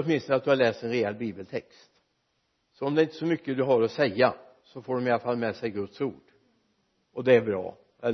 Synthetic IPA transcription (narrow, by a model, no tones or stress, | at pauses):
ɔt̪mɪnst̪ɔnat̪̚d̪ɵhalɛːst̪ɛnɾɛɛlːbiːbəlt̪ʰɛkst̪ | sɔɔmd̪ɛɪnt̪əsɔmʏkːəd̪ɵɦaɾɔsɛjːa | sɔfoːɖɔmɪalafalːmɛːsɛjɡɵt̪suːɖ̥ | ʔɔd̪ɛæɾbɾɑ̰ː | ʔɛl